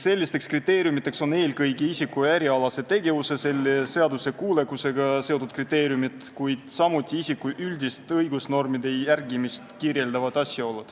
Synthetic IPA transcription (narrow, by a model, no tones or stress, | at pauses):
se̞lʲːist̪e̞kskrit̪ːe̞ːɾʲjumit̪ˑːe̞kso̞ne̞ːlɡɤjɡiisikːueɾiɑlɑse̞t̪e̞ɡe̞vuse̞se̞lːese̞ɑd̪use̞kuːle̞kuse̞ɡ̥ɑse̞t̪ːˑud̪̥̚krit̪ːˑe̞ːɾjumit̪kujd̪̥sɑmut̪ʲːˑiisikːuʔylʲd̪ist̪ɤjɡusno̞rmid̪e̞jærɡimist̪kirje̞ld̪ɑvɑd̪ɑsʲjɑo̞lːud̪̥